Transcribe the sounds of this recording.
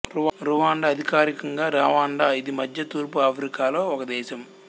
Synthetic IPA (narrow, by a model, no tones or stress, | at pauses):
uɾuʋaːɳɖaɐd̪ʱikaːɾikɐŋɡaːɾaːʋaːɳɖaːid̪imɐd̪ʱjɐt̪uːɾpuaːpʰɾikaːlo̞ːɔkɐd̪ɛːʃɐm